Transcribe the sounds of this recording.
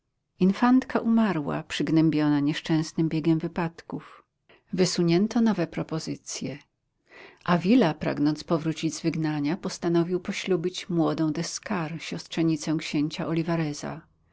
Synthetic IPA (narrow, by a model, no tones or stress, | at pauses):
infant̪kaʔumaɾwa̰pʂɘɡnɛmbʲjɔnaɲɛʂt͡ʂɛ̃w̃snɘmbʲjeɡʲɛmvɘpat̪kuf | vɘsuɲɛnt̪ʰɔnɔvɛpɾɔpɔzɘt̪sʲjɛ | ʔavʲilapɾa̰ɡnɔnspɔvɾut͡ɕid͡ʑzvɘɡnaɲapɔst̪anɔvʲiwpɔɕlubʲit͡ɕmwɔd̪ɔ̃w̃d̪ɛskaɾɕɔst̪ʂɛɲit̪sɛw̃kɕeɲt͡ɕaʔɔlʲivaɾɛza̰